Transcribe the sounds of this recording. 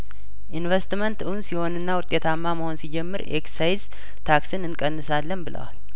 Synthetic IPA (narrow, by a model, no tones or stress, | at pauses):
ʔinvest̪mənt̪unsiho̞nɨnːawʊt̪ʼːe̞t̪ʰamːaməho̞nsid͡ʒɛmːɨɾḛksajz | t̪ʰaksɨnɨnkʼənːɨsalːənbɨlə̰wa̰l